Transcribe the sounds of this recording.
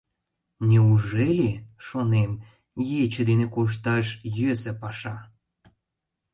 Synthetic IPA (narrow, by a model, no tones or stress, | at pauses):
nʲeuʒelʲeʃonem | jet͡ɕə̆d̪enekoʃ̬t̪ɑʃjøsĕpɑʃɑ